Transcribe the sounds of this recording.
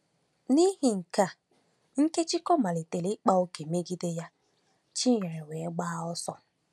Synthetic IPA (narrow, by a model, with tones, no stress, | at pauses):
ni˦ɦi˨ŋ̩˨ka˦˨ | ŋ̩˦ke˦t͡ʃi˦kɔ˦ma˨li˨te˨lɪ˦k͡pa˦o˦ke˨me˦ɡi˦de˦ja˦ | t͡ʃi˦ɲe˨ɾe˨we˨˦ɡ͡baː˦ɔ˦sɔ˦